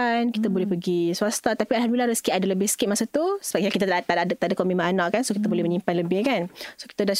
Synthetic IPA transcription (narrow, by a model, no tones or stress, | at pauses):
ankit̪abolɛhpəɡisuast̪at̪apialɦalmilaɾəskɪʔ̪adaləbɪhsə̥kɪt̪̚masat̪usəbakakit̪at̪at̪ad̚t̪adakomimaanãʔkansokit̪abolɛhməɲimpanləbɪhkansokit̪ada